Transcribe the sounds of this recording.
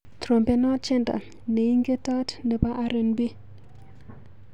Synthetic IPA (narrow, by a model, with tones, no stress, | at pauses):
tɾo˨mpe˦nɔ˦t͡ʃɛ˦nda̰˨ | ne˨ji˦ŋɡe˦ta˦tndɛ˨ba˦ʔa˦ɾe˨nbi˦